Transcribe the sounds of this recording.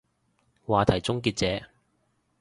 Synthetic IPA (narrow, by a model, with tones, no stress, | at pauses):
waː˨t̪ʰɐ˨˩jt͡sʊ˥ŋkiː˧t̚t͡sɛː˨˥